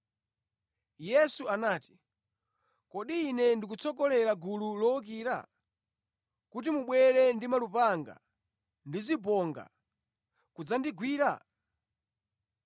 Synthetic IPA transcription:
jɛsuanaːti̥ | kɔɗiːnɛndik̬ut͡sɔkɔlɛɾaɡululɔk̬iːɾa̰ | kut̬imuɓwɛɾɛndimalupaŋɡa̰ | ndizip̬ɔŋɡa̰ | kud͡zandiɡwiːɾa̰

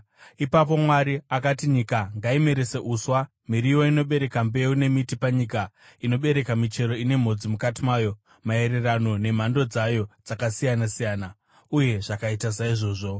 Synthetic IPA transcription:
ipap̬o̞mwaɾiakatiɲikaŋɡaime̞ɾe̞seʔuswa | miɾijo̞ino̞ɓe̞ɾe̞kambe̞une̞mitipaɲika | ino̞ɓe̞ɾe̞kamit͡ʃe̞ɾoine̞m̤o̞d͡zimukatimaːjo̞ | mae̞ɾe̞rano̞ne̞m̤ando̞d͡zajo̞d͡zakasijanasijaːna | uje̞ʐakaitasaiʐo̞ːʐo̞

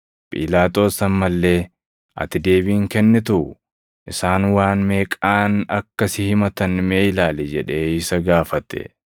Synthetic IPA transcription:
pʼḭːlaːt̪ʼo̞ːsɐmmɐlːe̞ː | ʔɐ̰t̪ɪd̪e̞ːbiːŋkɛnːɪt̪ʊʔʊ | ʔɪsaːnwaːnmeːkʼaːnɐkːɐsɪhɪmɐt̪ɐnmeːɪlaːlɛd͡ʒɛᶑe̞ːɪsɐɡaːfɐt̪ːɛ̰

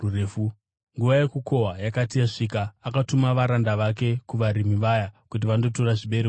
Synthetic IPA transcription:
rure̞ːfu | ŋɡuʋaje̞kuko̞ɦajakatijaʂikaːkatumaʋaɾandaʋake̞kuʋaɾimiʋajakut̬iʋando̞toɾaʐiɓe̞ɾe

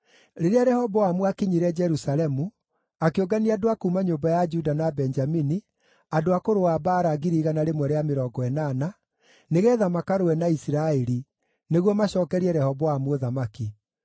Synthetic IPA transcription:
ɾeɾeaɾɛhɔβɔamwakiɲiɾɛd͡ʒɛɾusalɛmu | akeoɡaniadoakuːmaɲoːmbajad͡ʒudanabɛnd͡ʒamini | adoakoɾoabaːɾaɡiɾiːɣanaɾemwɛɾeameɾɔːɡɔɛnaːna | neɣɛðamakaɾowɛnaisiɾaɛɾi | neɣwɔmaɕɔːkɛɾiɛɾɛhɔβɔamwoðamaki

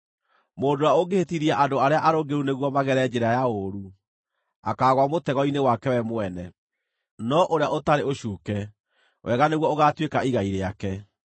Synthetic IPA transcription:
moːndoaoɡehetiɾiaʔandoaɾeaʔaɾoɡeɾuneɣwɔmaɣɛɾɛd͡ʒeɾajaoɾu | a̰kaːɣwamotɛɣɔinewakɛwɛmoɛnɛ | nɔʔoɾeaʔotaɾeoɕuːkɛ | wʔɛɣaneɣwɔoɣatwekaiɣaiɾeakɛ

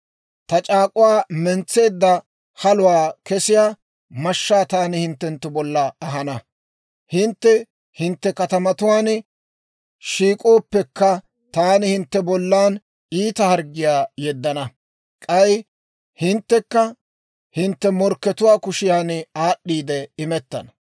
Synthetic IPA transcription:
t̪ɐt͡ʃʼaːkʼʊwaːmɛnt͡sːe̞ːd̪ːɐ | hɐlʊwaːkɛsɪjaː | mɐʃːaːt̪aːnɪhɪnt̪ːɛnt̪ːʊbɔlːɐɐɦɐnɐ | hɪnt̪ːɛ | hɪnt̪ːɛkɐt̪ɐmɐt̪ʊwaːn | ʃiːkʼo̞ːpːɛkːɐ | t̪aːnɪhɪnt̪ːɛbɔlːaːn | iːt̪ɐhɐɾɡɪjaːjɛd̪ːɐnɐ | kʼɐj | hɪnt̪ːɛkːɐ | hɪnt̪ːɛmɔɾkːɛt̪ʊwaːkʊʃɪjaːnaːɗːiːd̪ɛɪmɛt̪ːɐ̰nɐ

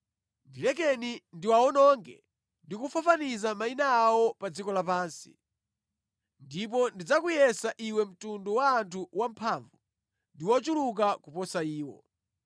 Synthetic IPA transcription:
ndilɛkɛnindiwaɔnɔŋɡɛ | ndikufafanizamainaːwɔpad͡zikɔlapaːnsi̥̰ | ndip̬ɔndid͡zakujɛsaʔiwɛm̩tundɔwaːntʰuwampʰaːɱvu | ndiwɔt͡ʃuluk̬akupɔsaiːwɔ̰

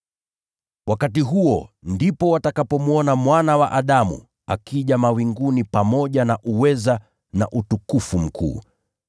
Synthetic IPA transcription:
wakatiɦuɔndipɔwatakapɔmuɔnamwanawa̰ʔaɗamṵ | a̰kiʄamawiŋɡunipamɔʄanaʔuwɛza | na̰ʔutukufum̩kʰṵː

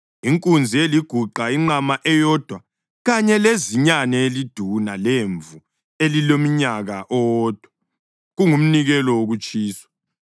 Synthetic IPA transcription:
iŋkʼund͡zʱieliɡ̥ʱuǃaiŋ͡ǃamaʔɛjɔd̥ʱwa | ɣaɲɛleziɲanɛelid̥ʱunaleɱvu | elilomiɲaɣaʔɔːd̥ʱwa | ɣuŋum̩niɣɛlɔwoɣut͡ʃʼiːswḁ

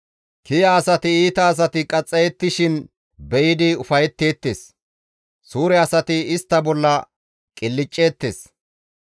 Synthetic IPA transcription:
kɪjɐːsɐt̪ɪiːt̪ɐːs̬ɐt̪ɪkʼɐt͡sʼːɛjɛt̪ːɪʃɪn | bɛjɪd̪ɪʊfɐjɛt̪ːe̞ːt̪ːḛːs | suːɾɛɐsɐt̪ɪɪst̪ːɐbɔlːɐ | kʼɪlːɪt͡ʃʼːe̞ːt̪ːe̞̰ːs

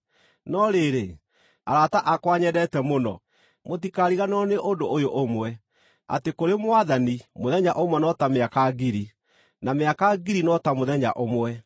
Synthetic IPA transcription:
nɔɾeɾe | aɾataʔakwaɲɛdɛtɛmonɔ̰ | motikaɾiɣanɔneʔondoojoʔomwɛ | a̰tekoɾemwaðanimoðɛɲaʔomwɛnɔtameakaɡiɾi | nameakaɡiɾinɔtamoðɛɲa̰ʔomwɛ

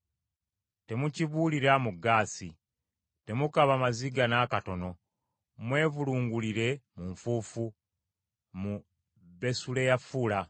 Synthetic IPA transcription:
te̞muciβuːliɾamuɡːaːsi | te̞mukaβamaziɡanaːkato̞no̞ | mwe̞ːvuluːŋɡuliɾe̞muɱfuːfu | mu | βe̞sule̞jafula

